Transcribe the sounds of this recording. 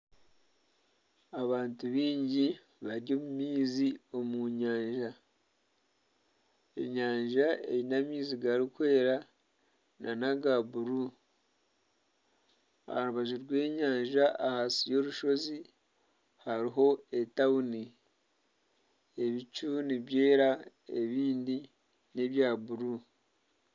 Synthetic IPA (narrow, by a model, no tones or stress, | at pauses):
aβaːntuβiːɲɟi | βaɾɟomumiːzio̞muɲaːɲʒa | ḛɲaːɲʒaḛɾinamiːziɡaɾikwe̞ːɾa | nʔanaɡabuɾu | a̰haɾuβaʒuɾɡwe̞ːɲaːɲʒaahasijo̞ɾuʃo̞zi | haɾiɦo̞e̞tauni | e̞βit͡ʃuniβje̞ːɾa | e̞̰βiːndi | ne̞βjaːβuɾu